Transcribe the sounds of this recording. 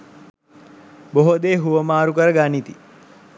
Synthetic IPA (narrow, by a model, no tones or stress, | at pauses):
boɦod̪eːɦuʋəmaːɾukəɾəɡanit̪i